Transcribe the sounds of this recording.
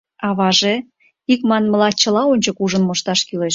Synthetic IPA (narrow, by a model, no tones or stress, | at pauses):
ɑβɑʒe | ikmɑnmə̆lɑt͡ɕə̆lɑonʲt͡ɕə̆kuʒə̆nmoʃt̪ɑʃkyleʃ